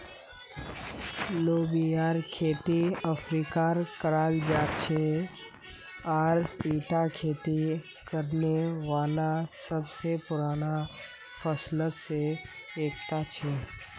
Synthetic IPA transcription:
loːbiaːɾkʰeːt̪iəpʰɾiːkaɾkəɾaːld͡ʒaːt͡ʃʰe | ɔːɾiːʈakʰeːt̪i | kəɾneʋaːlasəbsepʊɾaːna | pʰəsləseeːk̚t̪at͡ʃʰeː

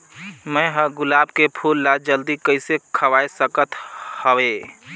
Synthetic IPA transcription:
mə̃ɦəɡʊlaːbkepʰulːad͡ʒəld̪ikəɪsekʰəʋaːesəkət̪həwe

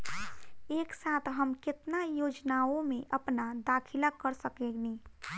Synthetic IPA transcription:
eːksaːt̪ʰɦəmkɪt̪najoːd͡ʒnaõmẽʔəpnad̪aːkʰɪlakəɾsəkekni

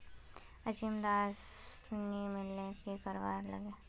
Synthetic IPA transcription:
ɐd͡ʒimd̪aːsʊnimɪlnekekəɾʋa̰ːɾlɐ̰ɡeː

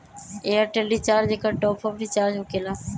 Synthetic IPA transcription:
eːəɾʈeːlɖiːt͡ʃaːɾd͡ʑeːkaːʈoːpʰəkʈiːt͡ʃaːɾd͡ʒokelaː

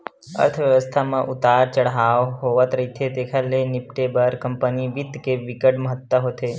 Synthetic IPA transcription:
ə̰ɾt̪ʰəʋjəʋəst̪ʰamãʔʊt̪aːɾt͡ʃəɽɦaʋɦoʋət̪ɾəɦit̪ʰet̪ekʰalenɪpʈebəɾkəmpəniʋɪt̪keʋɪkəʈməɦət̪ʋəɦot̪ʰe

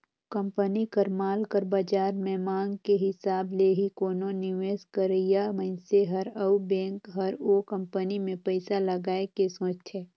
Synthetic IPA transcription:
kə̃mpənikəɾmaːlkəɾbaːd͡ʒaːɾmẽːmãːŋɡkeɦɪsaːbleːɦikoːnõnɪʋeːskəɾəjaməɪnseɦɐɾəubɛ̃ːŋkɦɐɾokə̃mpənimẽpəɪsalɐɡaːekesõːt͡ʃt̪ʰeː

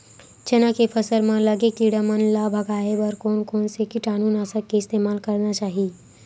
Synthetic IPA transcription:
d͡ʒɐnãkepʰəsəlmãləɡektiɽəmənlabʱɐɡaːebəɾkoːnkoːnsekiʈaːnuːnasəkeɪst̪eːmaːlkɐɾnat͡ʃaːɦi

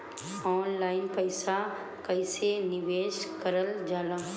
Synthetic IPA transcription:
ɔːnlaːɪnpəɪsa | kɐisenɪʋeːʃkəɾəld͡ʒaːlaː

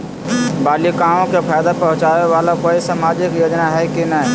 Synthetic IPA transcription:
baːlikaːmõkepʰaːjd̪apɐ̃ɦʊ̃t͡ʃaːʋeʋaːlakoːisaːmaːd͡ʒɪkjoːd͡ʒnaɦɛkinəɦ

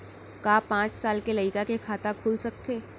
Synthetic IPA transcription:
kaːpãːt͡ʃsaːlkelɐɪkakekʰaːt̪akʰuːlsɐk̚t̪ʰeː

